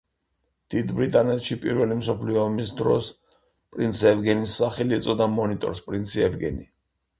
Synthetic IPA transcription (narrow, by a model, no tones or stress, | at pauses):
d̪̥id̪bɾit̪ʼanɛt̪ʃipʼiɾvɛlimsɔpʰliɔːmisd̪ɾɔs | pʼɾinsɛvɡɛnisːaχɛlit̪sʼɔd̪amɔnit̪ʼɔ̰ɾspʼɾint̪sʰiɛvɡɛ̰ni